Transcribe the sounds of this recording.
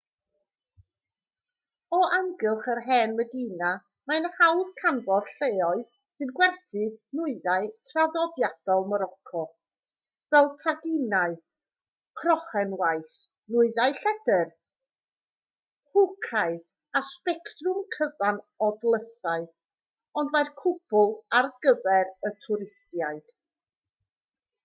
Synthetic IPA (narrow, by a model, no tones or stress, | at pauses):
ɔʔaŋɡɪlˠχərɦɛːnmədina | manhawð̥kʰanvɔrɬeːɔɨð | sɨnɡwɛrθinʊɨðaɨtʰraðɔdjad̥ɔlˠmɔɾɔkʰɔ | vɛlˠtʰaɡɪnaɨ | kʰrɔχɛnwajθ | nʊɨðaɨɬɛd̥ɛr | hʊkʰaɨ | aspɛktrʊmkʰəvan | ɔdlˠəsaɨ | ɔndmajrkʰʊb̥ʊlˠarɡəvɛɾətʰʊɾɪstjaɨd̥